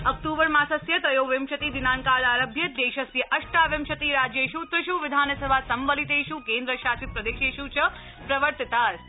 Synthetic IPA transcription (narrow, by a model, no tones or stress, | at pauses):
ɐk̚ʈ̪uːbəɾmãsɐsjɐt̪ɐjoːʋemʃɐt̪id̪inaːnkaːlaːɾəbʱjəd̪eːʃɐsjɐʔɐʃʈaːʋemʃɐt̪iɾaːd͡ʒjeʃut̪ɾɨʃuʋɪd̪ʱaːnsəbʱasɐmʋəlit̪eʃukeːnd̪ɾəʃaːt͡ʃit̪̚pɾɐd̪eːʃeʃut͡ʃʰɐ | pɾɐʋəɾt̪it̪aːɾ